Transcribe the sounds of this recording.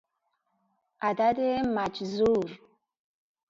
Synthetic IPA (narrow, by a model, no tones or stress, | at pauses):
adademat͡ʃzuɾ